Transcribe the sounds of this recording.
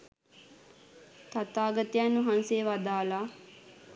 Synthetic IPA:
t̪at̪aːɡət̪ijanːuɦanseʋad̪aːla

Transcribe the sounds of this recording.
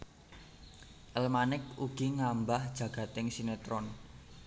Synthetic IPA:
ʔəlmanɪk̚uɡ̥iŋambahd̥ʒ̥ä̤ɡ̥ä̤t̪ɪŋsinet̪ɾɔn

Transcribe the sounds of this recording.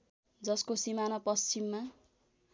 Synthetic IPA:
d͡zʌskosimanʌpʌst͡simːa

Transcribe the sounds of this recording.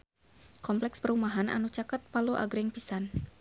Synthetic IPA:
kɔmplɛkspəɾumaɦana̰nut͡ʃakət̪̚paluʔa̰ɡɾɪŋpisan

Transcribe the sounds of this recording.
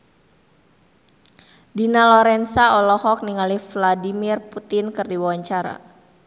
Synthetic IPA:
dinalɔɾɛnsaɔlɔhɔk̚niŋalifladimirput̪ɪnkɨrdiwawaɲt͡ʃaɾa̰

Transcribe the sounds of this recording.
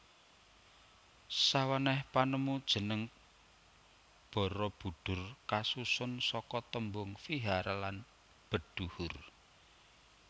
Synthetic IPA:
sawanɛhpanəmud̥ʒ̥ə̤nəŋ | b̥ɔ̤ɾɔb̥ṳɖ̪̥ʊ̤rkasusʊnsɔkɔt̪əmbʊŋfiɦaɾalan | b̥ə̤d̪̥uhʊr

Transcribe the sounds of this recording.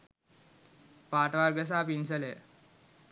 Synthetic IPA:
paːʈʋaɾɡəs̬aːpinsəle

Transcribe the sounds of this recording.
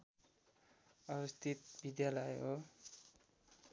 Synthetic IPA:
ʌbʌst̪ʰit̪̚bid̪jalʌjɦo

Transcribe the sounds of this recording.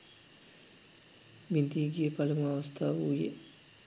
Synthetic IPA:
ʋind̪iːɡijəpalumuaʋɐst̪ʰaːʋuːjḛ

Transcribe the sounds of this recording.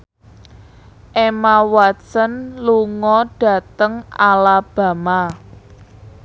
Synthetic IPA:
ʔemawatsənluŋɔɖ̥ä̤t̪əŋalab̥a̤ma

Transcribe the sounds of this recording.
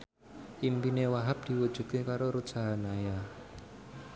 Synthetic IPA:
ʔimpinewaɦap̚d̪̥i̤wud̥ʒ̥ṳd̪̥̚kekaɾoɾu̥saɦanaja

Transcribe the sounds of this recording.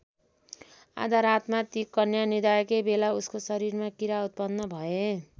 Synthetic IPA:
a̰d͡zaɾat̪mat̪ikːʌnjanid̪ajʌkebelauskosʌɾiɾmakiɾaut̪̚pʌnːʌbʱʌe

